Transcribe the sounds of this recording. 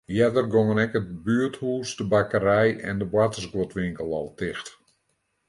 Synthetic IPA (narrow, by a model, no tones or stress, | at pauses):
jɛdərɡoŋənɛkət̚byəthuːsdəbakəɾɛjɛ̰ndəbwatəsɡotʋɪŋkəlˠɔ̰lˠtʰɪxt